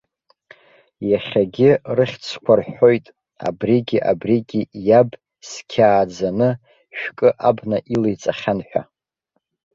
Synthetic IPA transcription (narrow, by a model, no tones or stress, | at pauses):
jaχʲaɡʲɪrɨχʲt͡sʰkʷʰarħo̞jtʼ | a̰briɡʲiʔa̰briɡʲijab | skʲʰaːd͡zanɨ | ʃᶣkʼɨʔabnaʔilejt͡sʼaχʲanħʷᶣa̰